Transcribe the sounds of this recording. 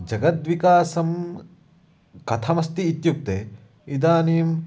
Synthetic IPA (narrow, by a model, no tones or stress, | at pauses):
d͡ʒɐɡɐt̪ʋikaːsɐm | kɐt̪ʰɐmɐst̪iːt̪juk̚t̪e | id̪aːniːm